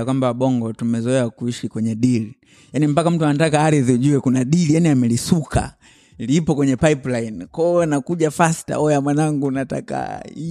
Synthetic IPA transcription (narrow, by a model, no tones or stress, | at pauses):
kwambawaɓɔŋɡɔtumɛzɔɛakuiʃikwɛɲɛɗili | janim̩pakam̩tuanatakaaɾiðiuʄuwɛkunaɗilijaniamɛlisukʰa̰ | lipɔkwɛɲɛpaiplainkɔnakuʄafasta̰ɔjamwanaŋɡunata̰ka̰i